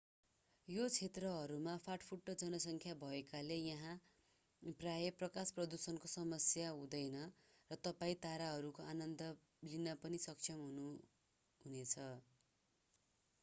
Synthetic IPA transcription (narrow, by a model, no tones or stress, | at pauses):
jot͡sʰet̪rʌɦʌɾumapʰaʈpʰuʈːʌd͡zʌnʌsʌŋkʰjabʱʌekalejʌɦã | prajʌprʌkasprʌd̪usʌnkosʌmʌsjaɦud̪ʌjnʌ | rʌt̪ʌpaĩt̪aɾaɦʌɾukoanʌnd̪ʌ | linʌpʌnisʌk̚t͡sʰʌmɦunu | ɦunet͡sʰʌ